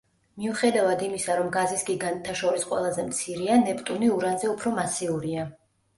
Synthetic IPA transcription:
miuχɛd̪avad̪imisaɾɔmɡazisɡiɡant̪ʰːaʃɔɾisqʼwɛ̰lˠazɛmt̪sʰiɾianɛpʼt̪ʼuniuɾanzɛupʰɾɔmasiuɾia

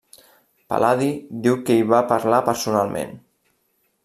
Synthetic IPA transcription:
pa̰lʔaðid̪iwkəiβapaɾlapəɾsunalˠmḛ̃n

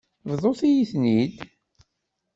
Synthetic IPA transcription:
vðˤoθijiθnid̪

